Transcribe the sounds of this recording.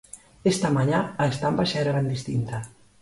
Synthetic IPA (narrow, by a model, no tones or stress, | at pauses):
est̪amaɲaaest̪ambaʃaeɾaɣand̪ist̪int̪a